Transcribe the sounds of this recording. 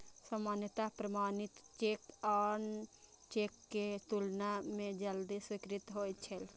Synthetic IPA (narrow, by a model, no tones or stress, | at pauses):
səmanjət̪apɾəmaːnit̪t͡ʃekan | t͡ʃekːet̪ulnamẽd͡ʒəld̪iswikɾit̪ɦojt̪t͡ʃʰəl